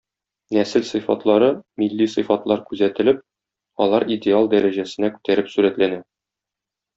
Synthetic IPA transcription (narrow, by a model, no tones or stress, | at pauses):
næsɘlsɤ̆fɑ̰t̪lˠɑɾɤmilːisɤ̆fɑt̪lˠɑɾkʉzæt̪ɘ̆lɘp̚ | ɒ̰lˠɑɾid̪ʲealˠd̪æɾæʑæsɘ̆nækʉ̥t̪æɾɘpsʉɾæt̪lænæ